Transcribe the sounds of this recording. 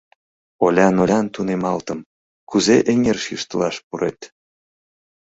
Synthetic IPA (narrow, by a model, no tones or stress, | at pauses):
olʲɑnolʲɑnt̪unemɑlt̪əm | kuzeʔeŋerʃiʃt̪əlɑʃpuɾet̪